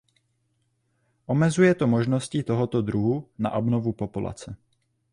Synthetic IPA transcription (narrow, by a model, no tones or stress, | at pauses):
ʔo̞mɛzujɛt̪omo̞ʒno̞scit̪oɦot̪od̪ɾuɦuna̰ʔobnovupo̞pula̰t͡sɛ